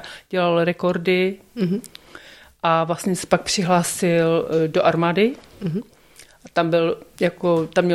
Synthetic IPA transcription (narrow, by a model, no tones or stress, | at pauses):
ɟ̥ɛlalɾɛko̞ɾdɪ | ʔavlast̪ɲɛsɛ̥pak̚pr̝̥ɪɦlaːsɪldoʔaɾmaːdɪ | ʔat̪ambɪljakot̪amɲɛ